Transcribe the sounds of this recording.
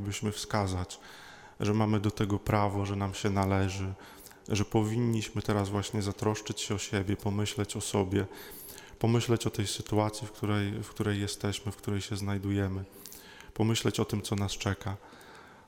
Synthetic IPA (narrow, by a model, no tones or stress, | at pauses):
bɘɕmɘfskazat͡ɕ | ʐɛmamɘd̪ɔt̪ɛɡɔpɾavɔʐɛnamɕɛnalɛʐɘ | ʐɛpɔvʲiɲːiɕmɘt̪ɛɾazvwaɕɲɛzat̪ɾɔʂt͡ʂɘt͡ɕɕɛɔɕɛbʲjɛpɔmɘɕlɛt͡ɕɔsɔbʲjɛ | pɔmɘɕlɛt͡ɕɔt̪ɛjsɘt̪uat̪sʲjifkt̪uɾɛjfkt̪uɾɛjːɛst̪ɛɕmɘfkt̪uɾɛjɕɛznajd̪ujɛmɘ | pɔmɘɕlɛt͡ɕɔt̪ɘmt̪sɔnast͡ʂɛka